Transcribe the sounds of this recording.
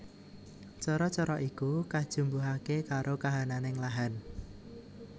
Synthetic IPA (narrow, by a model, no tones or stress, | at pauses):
t͡ʃɔɾɔt͡ʃɔɾɔʔikukad̥ʒ̥ṳmbuɦakekaɾokaɦananɪŋlaɦan